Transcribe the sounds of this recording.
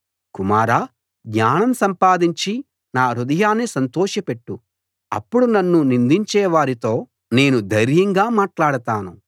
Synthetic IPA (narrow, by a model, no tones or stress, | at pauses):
kumaːɾaː | ɡɲaːnɐmsɐmpaːd̪iɲt͡ʃi | naːɾud̪ɐjaːnesɐnt̪ɔːʃɐpe̞ʈːu | ɐ̰pːuɽunɐnːunind̪iɲt͡ʃɛːʋaːɾit̪o̞ː | ne̞ːnud̪ʱɐjɾjɐŋɡaːmaːʈlaːɽɐt̪aːnu